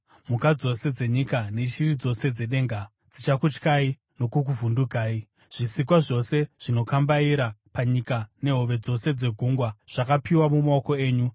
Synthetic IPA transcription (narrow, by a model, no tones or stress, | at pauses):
mukad͡zo̞se̞d͡ze̞ɲikaneʃirid͡zo̞se̞d͡ze̞ɗe̞ːŋɡa | d͡zit͡ʃakut͡ʃkai | no̞kuk̬uvunduɡʱaːi | ʐ̥isik̬waʐo̞se̞ʐ̥ino̞kambaiɾapaɲikane̞ɦoʋe̞d͡zo̞se̞d͡ze̞ɡʱuŋɡwaʐ̥akapiwamumaoko̞e̞ːɲu